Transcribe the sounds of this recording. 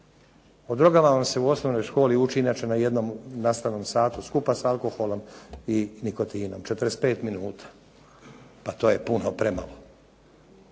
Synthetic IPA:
od̪ɾo̞ɡamaʋamse̞uo̞sno̞ʋno̞jʃko̞ːliut͡ʃiɲat͡ʃenaje̞d̪no̞mnast̪aʋno̞msaːt̪uskupasaalko̞xo̞lo̞miniko̞t̪iːno̞mt͡ʃet̪əɾespe̞ːt̪minuːt̪ʰḁ | pat̪o̞ːje̞punopɾema̰lo

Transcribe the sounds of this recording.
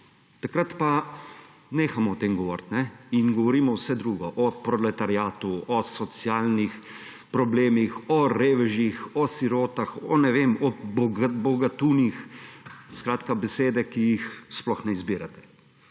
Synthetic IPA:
t̪akɾat̪pa | neːxamɔːt̪eːmɡɔʋɔ̰ɾt̪nɛinɡɔʋɔɾiːmɔwsɛd̪ɾuːɡɔʔɔpɾɔlɛt̪aɾjaːt̪uʔɔsɔsjaːlnix | pɾɔbleːmixɔɾeːʋɛʒjixɔsiɾoːt̪axɔ̰nɛʋeːmɔbbɔɡat̪uːnix | skɾaːt̪kabɛseːd̪ɛkijixsplɔxnɛizbiːɾat̪ɛ̥

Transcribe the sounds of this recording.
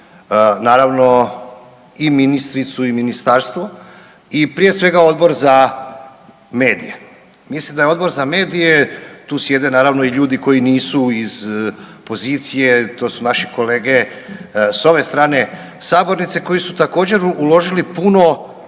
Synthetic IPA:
naːɾaʋno̞ | iminist̪ɾit̪suiminist̪aːɾst̪ʋo | ipɾije̞sʋe̞ɡao̞d̪bo̞ɾza | me̞ːd̪ḭje | mislimd̪ajeo̞d̪̚bo̞ɾzame̞ːd̪ije̞t̪uːsje̞d̪e̞naːɾaʋno̞iʎuːd̪iko̞jiniːsuizpo̞ziːt̪sije̞t̪oːsunaʃi̥ko̞le̞ːɡe̞ | so̞ʋe̞st̪ɾaːne̞ | saːbo̞ɾnit̪seko̞jisut̪ako̞ːd͡ʑe̞ɾulo̞ʒilipuno̞

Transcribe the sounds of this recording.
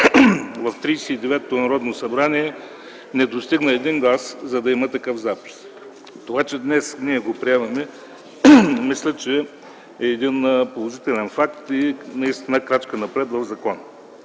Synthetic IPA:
vɐft̪ɾijsɛid̪ɛvɛt̪ːonɐɾɔd̪nosɐbɾaniɛ | nɛd̪ost̪iɡnəɛd̪iŋɡlˠaszɐd̪ɐimət̪ɐkɤfzapi̥s | t̪ovat͡ʃɛd̪nɛsniɛɡopɾiɛvɐmɛ | mislʲɛt͡ʃɛ | ɛːd̪inpolˠoʒit̪ɛlʲɛnfakt̪inɐist̪inəkɾat͡ʃkənɐpɾɛt̪vɐvzɐkɔnə

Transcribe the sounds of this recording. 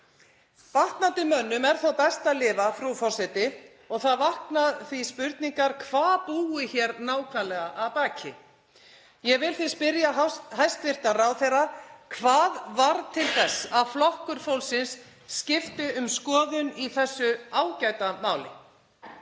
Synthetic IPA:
paht̪nant̪ɪmœnːʏmɛɾ̥θowpɛst̪alɪːvafɾufɔr̥sɛt̪ɪ | ɔɣθaðvahknaðθvispʏɾt̪niŋkaɾ̥kʰvaːðpuːɪçɛːɾnaːwkʰvaɾlɛɣaʔaðpaːcʰɪ | jɛvɪlθɪspɪɾjaɦajst̪vɪr̥t̪aɾawθɛrːakʰvaːðvaɾt̪ʰɪlθɛsːaðflɔhkʏɾ̥fowlsɪnsː | cɪft̪ɪʏmskɔːðʏniθɛsːʏaːwcajt̪amaːwlɪ̰

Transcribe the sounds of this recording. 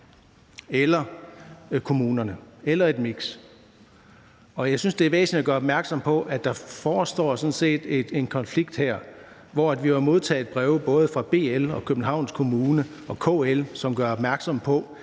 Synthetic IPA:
elɐ | kʰo̝muːnɐnəelɐe̝d̥miɡ̥s | ɒ̽jɑ̈ɪsynsd̥e̝æʋḛːsn̩i̥æɡ̥ɶːɐɒb̥mæɐɡ̥sɒ̽mpʰɒ̽ʔæd̥ɑ̈fɒːsd̥ɒ̰ːsɒ̽n̩se̝̰ːd̥ed̥e̝nkʰɒ̽nfliɡ̥̚d̥heɐ̰ | ʋɒæd̥ʋiʋɑ̈mo̝ð̞ˠt͡sʰɛ̰ːed̥̚b̥ʁɛʊb̥ɔ̽ːð̞̩ˠəfʁɑ̈b̥e̝̰ːelɒ̽kʰøb̥n̩ɦɑ̈ʊ̰nskʰo̝muːnə | ɒ̽kʰo̰ːelsɒ̽mɡ̥ɶɐɒ̽b̥mæɐɡ̥sɒ̽mpʰɒ̽

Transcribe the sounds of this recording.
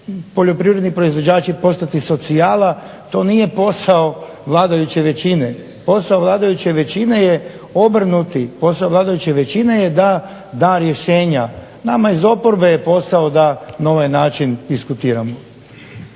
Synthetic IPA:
po̞ʎo̞pɾiʋɾe̞d̪nipɾo̞izʋo̞d͡ʑaːt͡ɕipo̞st̪at̪iso̞t̪sijaːla | t̪o̞ːnije̞po̞sao̞ | ʋlˠaːd̪ajut͡ɕeʋe̞t͡ɕine | po̞saoʋlˠaːd̪ajut͡ɕeʋe̞t͡ɕine̞je | o̞br̩nut̪ipo̞saoʋlˠaːd̪ajut͡ɕe̞ʋe̞t͡ɕine̞jed̪a | d̪aːɾje̞ʃe̞ːɲa | namaizo̞poɾbe̞jepo̞saod̪anao̞ʋajnaːt͡ʃind̪iskut̪iːɾamo

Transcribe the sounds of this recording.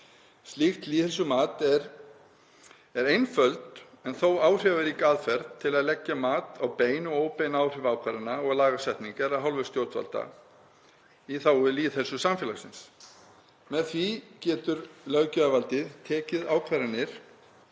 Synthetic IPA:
st̪lixt̪liːðɪlsʏmaːt̪ɛɾ | ɛɾejnfœlt̪ | ɛnθowaːwr̥ɛvɪɾikaːðfɛɾt̪ʰːɪlaðlɛcːamaːt̪awpeːjnɔɣoːwpejnaːwr̥ɪvaːwkʰvaɾɪnːaɔɣlaːɣasɛht̪niŋkaɾaðɦalvʏ̥st̪jowɾ̥t̪va̰lt̪a̰ | iθaːwɪliːθɛsːʏsamfjɛːlasɪns | mɛðθvicɛːt̪ʏɾlœɣcʏavalt̪ɪðt̪ʰɛːcɪðaːwkʰvaɾɪnːɪɾ̥

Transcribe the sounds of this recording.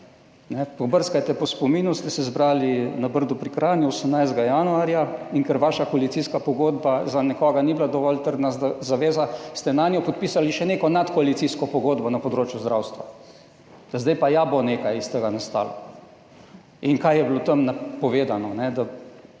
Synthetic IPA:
nɛpɔbəɾskajt̪ɛpɔspɔmiːnust̪ɛsɛzbɾaːlinabəɾd̪upɾikɾaːnjuosəmnajzd̪ɡajanuaːɾjaiŋkɛɾʋaːʃakɔalit̪siskapɔɡoːd̪bazanɛkɔːɡaniblad̪ɔʋɔlt̪əɾd̪nazaʋeːzast̪ɛnaːnjɔpɔt̪̚piːsaliʃɛneːkɔnat̪kɔalit̪siskɔpɔɡoːd̪bɔnapɔd̪ɾoːt͡ʃjuzd̪ɾawst̪ʋa | d̪azd̪ajpajaboneːkajist̪eɡanast̪a̰ːlɔ̰ | iŋkajjɛblot̪əmnapɔʋeːd̪anɔnɛd̪a

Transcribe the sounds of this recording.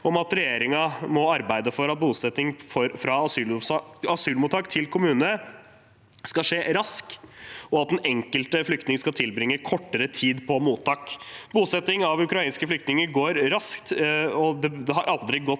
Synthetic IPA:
ɔmɑt̪ɾɛjeːɾɪŋɑmɔɑɾbæɪd̪əfɔɾɑt̪̚buːsɛt̪ɪŋfɔɾfɾɑɑsyːlɑsyːlmʊt̪ʰɑːkt̪ʰɪlkʰʊmʉːnə | skɑʂeːɾɑskɔɑt̪̚d̪ɛnʔɛŋkəlt̪əflʏkt̪nɪŋskɑt̪ʰɪlbɾɪŋːəkʰɔʈːəɾət̪ʰiːd̪pʰɔmuːt̪ʰɑːkbuːsɛt̪ɪŋɑʋʉkɾɑiːnskəflʏkt̪nɪŋəɾɡoːɾɾɑskt̪ɔd̪ɛd̪ɛhɑɾʔɑld̪ɾɪɡɔt̪

